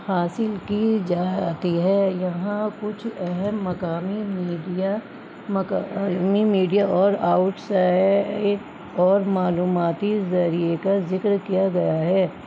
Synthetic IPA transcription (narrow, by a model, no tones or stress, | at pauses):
haːsɪlkid͡ʒaːt̪iɦɛːjɐɦãkʊt͡ʃʰɛɦɛmːɐkaːmimiːɖia | mɐkmimiːɖijaʔɔːɾaːʊʈsaːɪ | ɔːɾmaːluːmaːt̪izɐɾiekazɪkɾkijaɡɐjaɦɛː